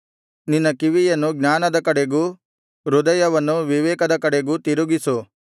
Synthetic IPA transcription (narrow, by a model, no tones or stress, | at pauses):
ninːɐkiʋijɐnːuɡɲaːnɐd̪ɐkɐɽeɡuː | ɾud̪ɐjɐʋɐnːuʋiʋɛːkɐd̪ɐkɐɽeɡuːt̪iɾuɡisu